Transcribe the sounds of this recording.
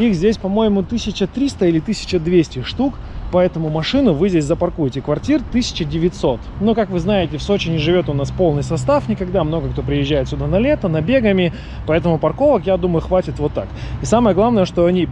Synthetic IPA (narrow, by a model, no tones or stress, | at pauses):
ixzʲdʲesʲpɐmo̞jɪmʊt̪ɨsʲɪt͡ɕət̪ɾʲist̪əilʲɪt̪ɨsʲɪ̥t͡ɕəd̪vʲesʲtʲɪʂt̪uk | pɐɛt̪əmʊmɐʂɨnʊvɨzʲdʲesʲzəpɐrkujɪtʲɪkvɐrtʲirt̪ɨsʲɪ̥t͡ɕədʲɪvʲɪt̪ʲso̞t̪nukakvɨznajɪtʲɪfso̞t͡ɕɪnʲɪʐɨvʲo̞t̪ʊnaspo̞lˠnɨjsɐst̪afnʲɪkɐɡd̪amno̞ɡəkt̪o̞pɾʲɪjɪʒʑːæjɪt̪sʲʊd̪anɐlʲe̞t̪ənɐbʲeɡəmʲɪ | pɐɛt̪əmʊpɐrko̞vəkjad̪uməjʊxvatʲɪt̪vo̞t̪ːakisaməjəɡlˠavnəjəʂt̪o̞ɐnʲi